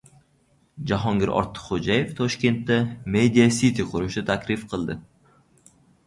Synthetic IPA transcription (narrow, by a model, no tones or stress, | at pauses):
d͡ʒaɦɒŋɡʲɪɾʔɒ̰ɾt̪ʰːɨ̥χod͡ʒaje̞ft̪ʰɒʃkʲe̞nt̪ːamed̪ijasit̪ʰiqʰʊɾʊʃd̪at̪ʰakʲɾɪfqʰɨlˠd̪ɪ